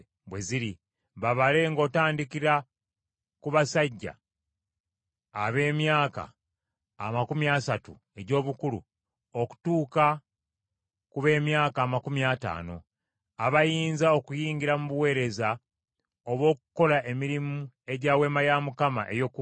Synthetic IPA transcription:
βwe̞ziɾi | βaβale̞ŋɡo̞ːtaːndikiɾa | kuβasaɟːa̰ | βe̞ːmjaːka̰ː | makumjasatṵ | e̞ɟo̞ːβukulṵ | o̞ku̥tuːka | kuβe̞ːmjaːkaːmakumjata̰ːno̞̰ | aβajiːnzao̞kujiːŋɲɟiɾamuβuwe̞ːɾe̞za | oβwo̞ːkuko̞laʔe̞miɾimu | e̞ɟaːwe̞ːmajamukama̰ʔe̞jo̞k

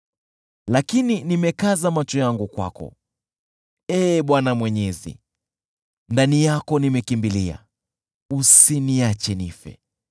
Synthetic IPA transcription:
lakininimɛkazamat͡ʃɔjaŋɡukwa̰kɔ̰ | ɛːɓwanamwɛɲɛzḭ | ndanijakɔnimɛkimbilia̰ | usiniat͡ʃɛnifɛ̰

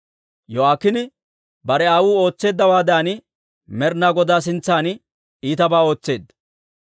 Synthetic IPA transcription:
jɔaːkːɪnɪ | bɐɾɛaːwuːo̞ːt͡sːe̞ːd̪ːɐwaːd̪aːnɪ | mɛɾnaːɡɔd̪aːs̬ɪnt͡sːaːn | iːt̪ɐbaːo̞ːt͡sːe̞ːd̪ːɐ

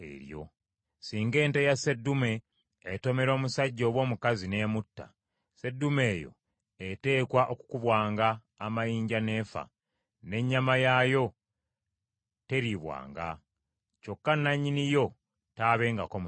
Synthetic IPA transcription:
ḛɾjo̞̰ | siːŋɡe̞ːntejase̞dːume̞ː | to̞me̞ɾo̞ːmusaɟːo̞ːβwo̞ːmukazine̞ːmutːa̰ | se̞dːume̞ːjo̞̰ | ete̞ːkwaʔoku̥kuβwaːŋɡaː | majiːɲɟane̞ːfa̰ | ne̞ɲːamajajo̞ | te̞ɾiβwa̰ːŋɡa̰ | t͡ʃo̞kːanːaɲːinijo̞ | taːβe̞ːŋɡako̞m

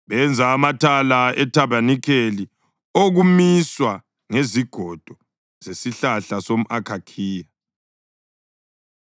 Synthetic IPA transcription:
βɛnd͡zʱaːmatʰalaɛtʰaβanikʰeli | oɣumiswa | ŋeziɡ̥ʱɔd̥ʱɔ | z̥esiɬaɬasom̩ʔakʰakʰiːja

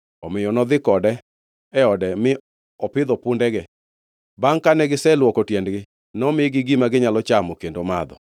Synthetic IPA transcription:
ɔmɪjɔnɔd̪ɪkɔdɛ | ɛɔdɛmɪ | ɔpɪd̪ɔpundɛɡɛ | baŋkanɛɡɪsɛlwɔkɔtjɛndɡɪ | nɔmɪɡɪɡimaɡɪɲalɔt͡ʃamɔkendomad̪ɔ̰

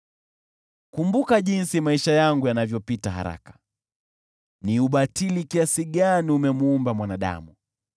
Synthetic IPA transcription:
kumbukaʄinsimaiʃajaŋɡujanavjɔpitaɦa̰ɾa̰kḁ | niuɓatilikiasiɠaniumɛmuumbamwanaɗa̰mu

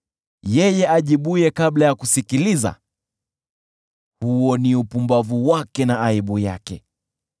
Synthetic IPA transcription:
jɛjɛʔaʄiɓujɛkaɓlajakusikiliza̰ | huɔniupumbavuwakɛnaaiɓuja̰kɛ̰

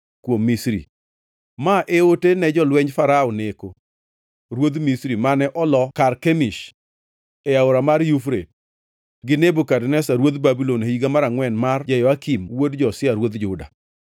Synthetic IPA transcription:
kwomːisɾḭ | maʔeotenɛd͡ʒɔlwɛɲfaɾaoneko | ɾwod̪misɾimanɛʔɔlɔkarkemiʃ | ɛaoɾamarjufɾet̚ | ɡɪnebokadnɛsaɾwod̪babiloniɡamaɾaŋwɛnmard͡ʒajɔakimwodd͡ʒɔsɪaɾwod̪d͡ʒʊda̰

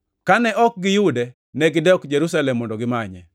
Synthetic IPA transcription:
kanɛʔɔk̚ɡɪjudɛ | nɛɡɪdɔkd͡ʒeɾusalɛmːɔndɔɡɪmaɲɛ̰

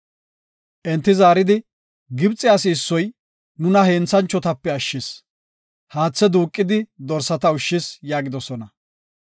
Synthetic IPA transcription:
ʔɛnt̪ːɪzaːɾɪd̪ɪ | ɡɪbt͡sʼːɪasɪːsːɔj | nʊnɐheːnt͡sːɐnt͡ʃːɔt̪ɐpːɛɐʃːɪs | haːt͡sːɛd̪uːkʼːɪd̪ɪd̪ɔɾsɐt̪ɐʊʃːɪsjaːɡɪd̪ɔsɔnɐ

